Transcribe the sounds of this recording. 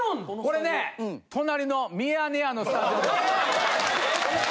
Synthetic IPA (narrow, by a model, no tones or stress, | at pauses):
ko̞ɾe̞ne̞t̪ʰo̞naɾʲino̞mʲianeano̞sɨ̥t̪aʑiod̪